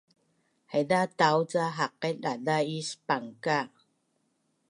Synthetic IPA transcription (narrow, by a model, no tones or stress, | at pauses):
hedat̪awt͡saɦaq̚ːɛt̪̚ʔadaispaŋka